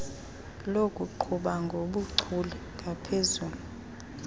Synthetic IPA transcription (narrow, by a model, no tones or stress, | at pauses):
lokʼuǃʰuɓaŋɡʱoɓuǀʰulɛ | ŋɡʱapʰezuːlu